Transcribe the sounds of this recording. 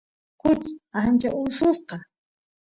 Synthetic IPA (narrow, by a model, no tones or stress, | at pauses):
kʊt͡ʃant͡ʃaʔʊlsʊsqɑ